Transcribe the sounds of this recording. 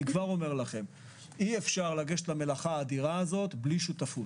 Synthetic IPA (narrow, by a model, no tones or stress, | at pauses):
ikvaʁo̞meʁlaχe̞m | ie̞fʃaʁlaɡeʃetlame̞laχaːd̪iʁaːzo̞t̪bliʃut̪afu